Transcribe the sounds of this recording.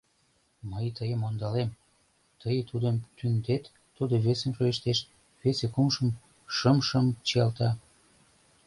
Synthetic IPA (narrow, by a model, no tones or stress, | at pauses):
məjt̪əjəmond̪ɑlem | t̪əjət̪ud̪əmt̪ynd̪et̪ː | ud̪oβesenʃojeʃt̪eʃ | βesekumʃəm | ʃəmʃəmt͡ɕiɑlt̪ɑ